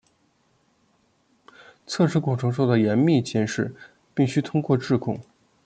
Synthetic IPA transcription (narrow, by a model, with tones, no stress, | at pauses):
t͡sʰɤ˥˩ʂʰɻ̩˧˥kwʊ˨˩ʈ͡ʂʰɤ˧˥ŋʂ̬o˥˩d̪ə˩jɛ˧˥nmi˥˩t͡ɕʰɛ˥nʂɻ̩˥˩ | pi˥˩ŋɕy˥t̪ʰʊ˥ŋkwɔ˥˧ʈ͡ʂɻ̩˥˧kʰʊ̰˥˩ŋ